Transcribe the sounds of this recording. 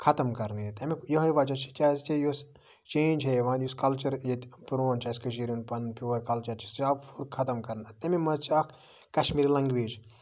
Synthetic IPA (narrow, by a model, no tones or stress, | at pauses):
kʰɐt̪ɐmkɐɾnjet̪ɐmikjɐɦɐjʋɐt͡ʃɐt͡ʃʰi̥kʲaːzkʲijos | t͡ʃẽːnd͡ʒɦeʋãːnjuskɐlt͡ʃɐɾjet̪ʲpɾoːnt͡ʃʰɐskɐʃ̬iɾinpɐnpʲuːɐɾkɐlt͡ʃɐɾt͡ʃʰi̥safʰuɾkʰɐt̪ɐmkɐɾnɐt̪ɐmimɐzt͡ʃʰiɐkʰ | kɐʃmiːɾilɐŋɡʋiːd͡ʒ